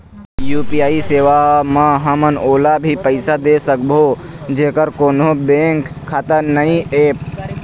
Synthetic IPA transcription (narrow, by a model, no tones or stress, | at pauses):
juːpijaːiseːʋaɦməɦəmənoːlabʱipəɪsad̪eːsək̚bʱoːd͡ʒeːkəɾkoːnobẽːŋkʰːaːt̪ənəĩeːp